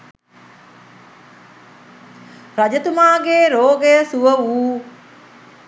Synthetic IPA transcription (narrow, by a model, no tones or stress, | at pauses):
rad͡ʒət̪umaːɡeːɾoːɡejəsuʋəuː